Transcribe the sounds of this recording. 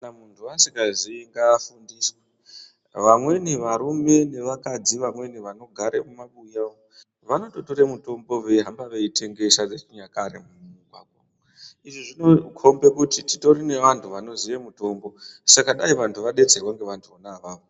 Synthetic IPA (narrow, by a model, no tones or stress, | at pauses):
kanamuntʰuasikɡaziŋɡaːfundiswa | ʋamwe̞niʋaɾume̞ne̞ʋakad͡ziʋamwe̞niʋano̞ɡʱaɾḛmumaɓujao | ʋano̞to̞to̞ɾemuto̞mbo̞ʋeɦambaʋe̞itʰe̞ŋɡe̞ʃad͡zet͡ʃiɲakaɾḛmumuikwaːko | iʐiʐinokʰo̞mbekutitito̞rine̞ʋantʰuʋano̞ziʋemuto̞mbo̞sakaɗaiʋantʰuʋaɗe̞t͡serwaŋɡe̞ʋantʰuonaʋaːʋo